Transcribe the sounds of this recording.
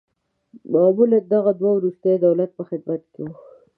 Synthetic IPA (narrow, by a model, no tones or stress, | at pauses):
mamuled̪aɣad̪wawɾust̪ajd̪awlat̪̚pəxɪd̪̚mat̪̚kewu